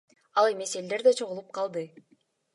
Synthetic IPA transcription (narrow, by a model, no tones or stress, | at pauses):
ɑlˠe̞me̞se̞ld̪e̞ɾd̪e̞t͡ʃʰo̞ʁulˠup̚qʰɑlˠd̪ɯ